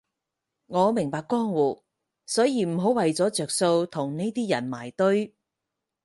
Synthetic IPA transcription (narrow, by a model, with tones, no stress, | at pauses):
ŋɔː˨˧mɪ˨˩ŋpaː˧kːɔː˥ŋwuː˨˩ | sɔː˨˥jiː˨˧m̩˨˩ɦo˨˥wɐ˨jt͡sɔː˨˥t͡sœː˨kso˧wt̪ʰʊ˨˩ŋne˥jt̪iː˥jɐ̰˨˩nma̰ː˨˩jt̪ɵ˥ɥ